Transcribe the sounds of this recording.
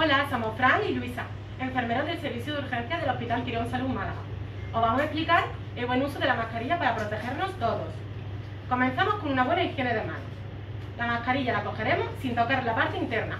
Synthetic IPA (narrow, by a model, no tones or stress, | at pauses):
olasamofɾanilwisa | e̞ɱfe̞ɾme̞ɾoðelse̞ɾβiθjuð̞uɾxẽ̞n̟θjaðe̞lo̞hpit̪alt̪iɾo̞nsalumalaɣo | oβ̞amoseplikaɾ | eβwe̞nusoð̞e̞lamakaɾiʝapaɾapɾo̞t̪e̞xe̞ɾno̞st̪o̞ðos | ko̞mẽn̟θamo̞sko̞nũnaβwe̞naiθjeneðe̞ma̰no̰ | lamahkaɾiʝalako̞xeɾe̞mo̞sːint̪o̞kaɾlapaɾt̪eint̪e̞ɾna̰